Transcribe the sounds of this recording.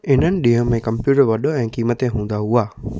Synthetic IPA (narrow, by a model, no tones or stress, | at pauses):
ɪnənɪ̆ɗiɦə̃mẽkəmpjuːʈəɾʋɐɗoɛ̃ːkiːmət̪eɦũːnd̪aɦuaː